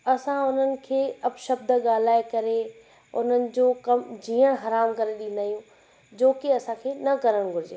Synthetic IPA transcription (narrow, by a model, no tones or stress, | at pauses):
ɐsãʊn̤ənɪ̆kʰeːɐpʃəbd̪ʱəɠaːl̤aːekɐɾe | ʊ̰n̤ənɪ̆d͡ʑoːkɐmd͡ʑiːəɽ̃ɦɐɾaːmkɐɾeɗĩn̆d̪aːijũ | d͡ʑoːkɪɐsãkʰeːnɐkɐɾəɽ̃ɡʱʊɾɪd͡ʑeː